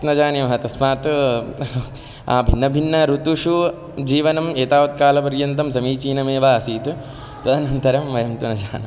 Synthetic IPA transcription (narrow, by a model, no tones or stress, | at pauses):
nɐd͡ʒaːnjimɐɦɐt̪ɐsmaːt̪ | a̰ːbʱinːɐbʱinːɐɾut̪uʂu | d͡ʒiːʋɐnɐmeːt̪aːʋɐt̪̚kaːlɐpɐɾjɐnt̪ɐmsɐmiːt͡ʃiːnɐmeːʋaːɐsiːt̪ | t̪ɐd̪ɐnɐnt̪ɐɾɐmʋɐjɐmt̪unɐd͡ʒaːnɐ